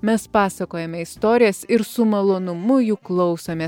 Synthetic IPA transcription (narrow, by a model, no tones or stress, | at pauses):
mʲɛspɑːsɐkoːjɛmʲɛɪst̪oːɾʲɪjɛsɪɾsʊmɐlˠoːnʊmʊjuːklˠɒʊsɐmʲeː